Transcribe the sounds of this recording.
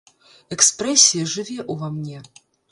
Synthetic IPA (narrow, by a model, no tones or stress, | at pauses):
ɛkspɾɛsʲijɐʐɨvʲɛʔuvamnʲɛ